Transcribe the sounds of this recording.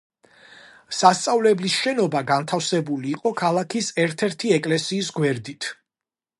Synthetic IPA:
sast̪sʼavlɛblisʃɛnɔbaɡant̪ʰafsɛbuliːqʼɔkʰalˠakʰisɛɾt̪ʰɛɾt̪ʰiɛkʼlɛsiːs̬ɡwɛɾd̪it̪ʰ

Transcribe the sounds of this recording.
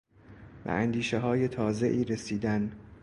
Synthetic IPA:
væ̰ʔænd̪iːʃeɦɒːje̞t̪ʰɒːze̞ʔiːɾesiːd̪æn

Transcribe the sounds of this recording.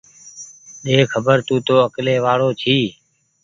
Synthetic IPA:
ɗeːkʰəbəɾt̪ũːt̪oːəkleːʋaːɭoːt͡ʃʰiː

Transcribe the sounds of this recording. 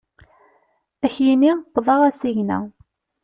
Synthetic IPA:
æçjinit̪ːvˤɑʁæsiʝnæ̰

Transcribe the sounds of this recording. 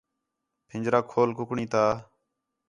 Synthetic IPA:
pʰɪ̃ɲd͡ʒɾaːkʰoːlkʊkɳĩːt̪aː

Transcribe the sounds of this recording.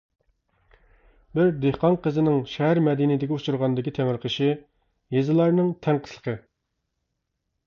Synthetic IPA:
bɪɾd̪ehqɑnqəzɪnɪŋʃɛɦæɾmɛd̪inɪd̪ɪɡʲɛut͡ʃuɾʁɑnd̪ɪkʲit̪ʰɛmɪɾqʰəʃi | jezɨlˠɑɾnɨŋt̪ʰæŋqʰə̥slˠə̥qʰə

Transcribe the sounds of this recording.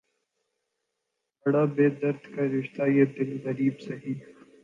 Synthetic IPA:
bɐɽaːbeːd̪ɐɾd̪ʱkaɾɪʃt̪ajeːd̪ɪnɣɐɾiːbsɐɦiː

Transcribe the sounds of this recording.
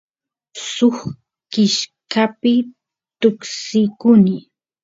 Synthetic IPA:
sʊχ | kɪʃkapɪ | t̪ʊksɪkʊnɪ

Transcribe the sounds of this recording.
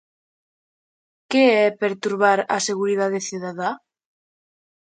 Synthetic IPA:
keɛpeɾt̪uɾβaɾa̰seɣuɾiðaðeθjuðaða

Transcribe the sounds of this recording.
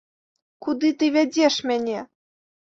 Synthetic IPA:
kud̪ɨt̪ɨvʲæd͡zʲeʂmʲænʲe

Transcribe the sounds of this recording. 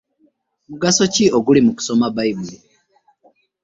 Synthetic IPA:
muɡaso̞cioɡulimuku̥so̞maβaiβuli

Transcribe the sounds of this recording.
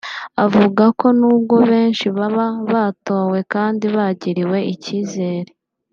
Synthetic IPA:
avuɡako̞nuːb̚ɡo̞βe̞ːnʃiβaβaβaːto̞ːwe̞kaːndiβaɟiɾiwe̞iciːze̞ːɾe̞

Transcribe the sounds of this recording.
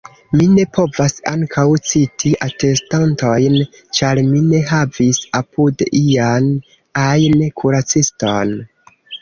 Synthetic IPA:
mine̞pʰo̞vasa̰ŋkʰawt͡sitʰiʔate̞stanto̞jn | t͡ʃaɾmine̞ɦavisapʰudian | ajnkʰuɾat͡siston

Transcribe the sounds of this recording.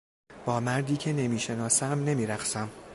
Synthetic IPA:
b̥ɒːmæɾd̪iːcʰe̞ne̞miːʃe̞nɒːsæmne̞miːɾæχsæm

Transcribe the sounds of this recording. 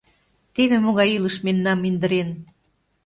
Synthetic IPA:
t̪eβĕmoɣɑjiləʃmemnɑmind̪ə̆ɾen

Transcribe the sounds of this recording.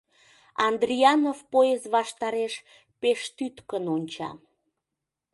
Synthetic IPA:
ɑnd̪riɑnovpoezβɑʃt̪ɑɾeʃ | peʃt̪yt̪kənonʲt͡ɕɑ̰

